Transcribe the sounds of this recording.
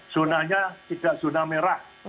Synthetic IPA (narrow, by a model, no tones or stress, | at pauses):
sunahɲat̪id̥aʔsunahmeɾah